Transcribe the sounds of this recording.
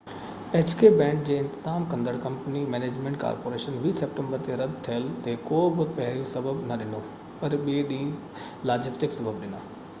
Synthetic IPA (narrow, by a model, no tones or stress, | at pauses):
eːt͡ʃkeːbɛ̃ːɳk̚d͡ʑeːɪ̃nt̪ɪzaːmkɐ̃nd̪əɽkɐ̃mpənimɛːneːd͡ʑmẽɳʈka̰ːɾpoːɾeːʃənʋiːsepʈə̃mbəɾt̪eɾɐd̪̚ʱt̪ʰijəlt̪ekoːbɪpɛɦɾjosɐbəbnɐɗɪnoː | pɐɾɓeɗĩː | laːd͡ʑɪsʈɪksɐbəbɗɪna̰ː